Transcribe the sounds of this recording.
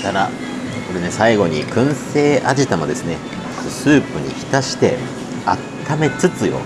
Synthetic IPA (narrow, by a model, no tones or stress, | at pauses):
t̪aɾa | ko̞ɾe̞ne̞saiɡo̞ɲ̟ikɯ̟̃ɰ̃se̞ːʔaʑit̪amod̪e̞sɨne̞ | sɨːpɯ̟ɲ̟ḭçi̥t̪aɕi̥t̪e̞ | a̰t̪ʰːame̞t͡sɨt͡sɨjo̞̰